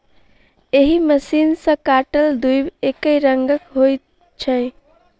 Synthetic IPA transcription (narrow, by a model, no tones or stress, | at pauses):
eɦiməsinsə̃kaʈəld̪ujbekəjɾəŋɡəkɦoj | t͡ʃʰə̃ɪ